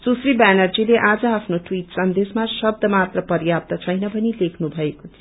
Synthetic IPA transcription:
susribanʌrd͡zileʔad͡zʌapʰnoʈwiʈsʌnd̪esmasʌb̚d̪ʱʌmat̪rʌpʌrjap̚t̪ʌt͡sʰʌjnʌbʱʌnilekʰnubʱʌekot̪ʰʌ

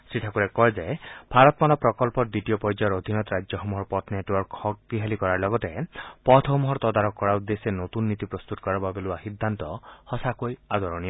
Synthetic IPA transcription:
sɾiʈʰakuɾekɔɦed͡ʒebʱaɾɔt̪malɔpɾɔkɔlpɔɖiʈijopɔjd͡ʒɔɾod̪ʱinɔt̪ɔɾad͡ʒjɔɦɔmɔɦɔɾpɔt̪neʈwɔɾkhɔk̚t̪iɦelikɔɾaɾlɔɡɔt̪epɔt̪ʰɦɔmɔɦɔɾt̪ɔd̪aɾɔkːɔɾaud̪esenot̪unːit̪ipɾɔst̪ut̪ɔkɔɾɔbabeluaɦid̪ʱːant̪ɔhɔsakojad̪ɔɾɔñijɔ

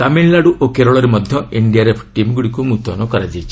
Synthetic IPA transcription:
kaminlaɽuʔokeɾɔɭɔɾemɔd̪ʱjɔiɳɖijaɾepʰʈimɡuɽikumut̪ɔ̰nɔkɔɾad͡ʒajt͡ʃʰi

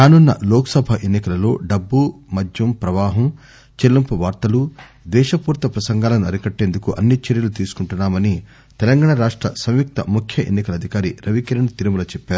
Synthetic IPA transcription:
ɾaːnunːɐ̰lɔːkɐ̥sɐbʱɐʔenːikɐlɐlo̞̰ːɖɐbːumɐd̪ʱjɐmpɾɐʋaːɦɐm | t͡ʃelːɐmpuʋaːɾt̪ɐlu | d̪ʋɛːʃɐpuːɾt̪ɐpɾɐsɐŋɡaːlɐnuɐɾikɐʈːeːnd̪ukuʔɐnːit͡ʃeɾjɐlut̪iːsu̥kuɳʈunːaːmɐni | t̪ɛlɐŋɡaːɳɐɾaːʂʈɾɐsɐmjuk̚t̪ɐmukʰjɐʔenːikɐlɐd̪ʱikaːɾiɾɐʋikɐɾɐɳɐt̪iɾumɐlɐt͡ʃɛpːaːɾu

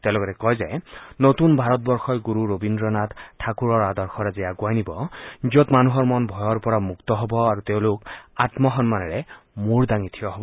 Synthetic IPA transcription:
t̪elɔɡɔɾɛkɔjzajnot̪unbʱaɹɔt̪̚bɔɹxɔjɡuɾuɾobindɾɔnat̪tʰːakuɾɔɹad̪ɔɹxʰɔɾazijaɡwajnibɔd͡ʒiɔt̪manuɦɔɹmɔnbʱɔjɔɾpɔɹamukt̪ɔɦɔbɔaɾut̪eʊ̃lokat̪mɔɦɔnmanɛɹe | muɹd̪aŋit̪ʰijɔɦɔbɔ

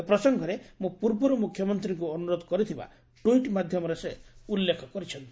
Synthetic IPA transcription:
pɾɔsɔŋɡʱɔɾemũpuɾbɔɾɔmukʰjɔmɔnt̪ɾiŋkuɔnuɾod̪ɔkɔɾit̪ʰiba̰ | ʈuiʈmad̪ʱjɔmɔɾeseulːekʰɔkɔɾit͡ʃʰɔnt̪i̥

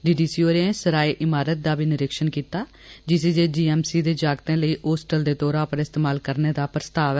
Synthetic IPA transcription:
ɖiːɖiːsiːoːɾẽsəɾaːiːʔɪmaːɾət̪̚d̪aːbiːnɪɾɪkʃənkiːt̪aː | d͡ʒɪseːd͡ʒeːd͡ʒiːɛːmsiːd̪eːd͡ʒaːɡt̪ẽːləiːʔoːsʈəld̪eːt̪ɔːɾãːpəɾɪst̪eːmaːlkəɾneːd̪aːpɾəst̪aːʋɛː

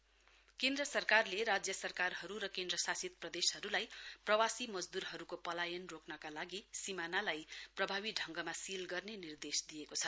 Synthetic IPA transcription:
kẽnd̪ɾʌsʌrkarleɾad͡zjʌsʌrkarɦʌɾuɾʌkẽnd̪ɾʌsasit̪̚prʌd̪eshʌɾulajprʌwasimʌd͡zd̪uɾɦʌɾukopʌlajʌnroknʌkalaɡisimanalajprʌbʱaβiɖʱʌŋɡʌmasilɡʌrnenird̪esd̪ijekot͡sʰʌ

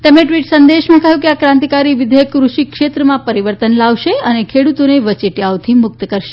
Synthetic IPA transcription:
t̪əmnẽʈʋiʈsənd̪eʃmãkəɦjũkeakɾãnt̪ikaɾiʋɪd̪ʱejəkːɾuʃikʃet̪ɾəmãpəɾiʋəɾt̪ənlaʋʃeənekʰeɽut̪oneʋət͡ʃiʈjaʋt̪ʰimʊk̚t̪əkəɾʃe̥

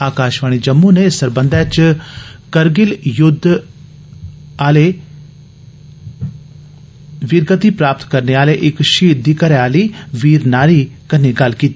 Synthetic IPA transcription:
aːkaːʃʋaːɽ̃id͡ʒɐmːunesɐɾbə̃nd̪ɛːt͡ʃ | kɐɾɡɪljʊd̪ʱ | aːle | ʋiːɾɡət̪ipɾaːp̚t̪kɐɾneaːleʔɪkʃiːd̪iːkɐɾeaːliːʋiːɾnaːɾikɐniɡɐlkiːt̪i

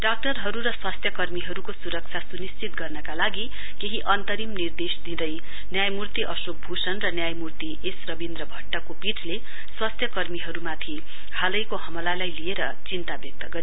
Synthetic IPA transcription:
ɖak̚ʈʌrɦʌɾuɾʌswʌst̪ʰjʌkʌrmiɦʌɾukosuɾʌk̚t͡sʰasunist͡sit̪̚ɡʌrnʌkalaɡi | keɦiʔʌnt̪ʌɾimnird̪esd̪id̪ʌj | njajmurt̪iʔʌsok̚bʱusʌnrʌnjajmurt̪iʔesrʌbind̪rʌbʱʌʈːʌkopiʈʰle | swʌst̪ʰjʌkʌrmiɦʌɾumat̪ʰi | hʰalʌjkoɦʌmʌlalajlieɾʌ | t͡sint̪abjʌk̚t̪ʌɡʌɾi

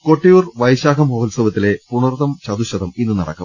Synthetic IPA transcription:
ko̞ʈːijuːrʋɐjɕaːɡɐmhoːlsɐʋɐt̪ːile̞puɳɐrt̪ɐmt͡ɕɐd̪uɕɐd̪ɐminːɨnɐɽɐ̰kːɐ̰m

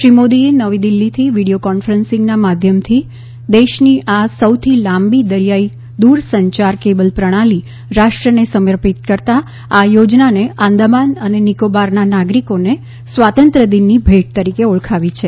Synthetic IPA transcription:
ʃɾimod̪ienəʋid̪ilːit̪ʰiʋiɽiokɔnfəɾənsɪ̃ŋɡnamad̪ʱjəmt̪ʰi | d̪eʃniʔasəwt̪ʰilãmbid̪əɾijai | d̪uɾsəɲt͡ʃaɾkebəlpɾəɽ̃ali | ɾaʃʈɾənesəməɾpit̪̚kəɾt̪a | ajod͡ʒnaneʔãnd̪əmanənenikobaɾnanaɡɾikone | sʋat̪ənt̪ɾəd̪inːibʱeʈ̚t̪əɾikeuɭkʰaʋit͡ʃʰe

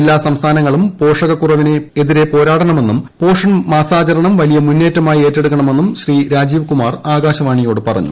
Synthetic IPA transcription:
lːaːsɐmst̪ʰaːnɐŋːɐɭumpo̞ːʂɐɣɐkːurɐʋine̞eðiɾe̞po̞ːɾaːʈɐɳɐme̞nːumpo̞ːʂɐnmaːsaːt͡ɕɐɾɐɳɐmʋɐlijɐmunːe̞ːtːɐmaːjie̞ːtːe̞ɽuk̬ːɐɳɐme̞nːumɕriːɾaːd͡ʑiːʋkumaːraːɡaːɕɐʋaːɳijo̞ːɽɨpɐrɐ̰ɲːṵ

